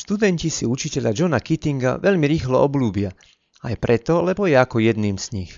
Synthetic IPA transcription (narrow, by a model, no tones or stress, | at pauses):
ʃt̪ud̪ɛɲcisiut͡ʃicɛʎad͡ʒɔnakit̪iŋɡa̰ʋɛʎmiɾiːxlɔɔbluːbɪa | ajpɾɛt̪ɔlɛbɔjɛakɔjɛd̪niːmz̥ɲix